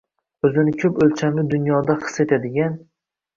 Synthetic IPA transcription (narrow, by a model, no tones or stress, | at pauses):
ɵzɪnɪkʲʰɵpɵlt͡ʃʰamlɪd̪ʊnjɒd̪aχɨ̥se̞t̪ʰad̪ɪɡʲan